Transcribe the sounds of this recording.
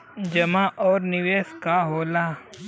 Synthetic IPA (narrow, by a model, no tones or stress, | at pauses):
d͡ʒɐmaʔɔːɾnɪʋeːskaɦoːlaː